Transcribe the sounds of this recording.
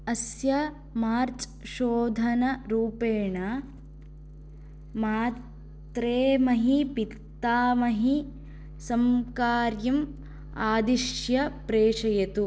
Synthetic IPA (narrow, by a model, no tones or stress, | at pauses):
ɐsjɐ | maːɾt͡ʃ | ʃoːd̪ʱɐnɐɾuːpeːɳɐ | maː | t̪ɾeːmɐɦipit̪ːaːmɐɦi | sɐmkaːɾjɐm | aːd̪iʂjɐpɾeːʂɐjɐt̪u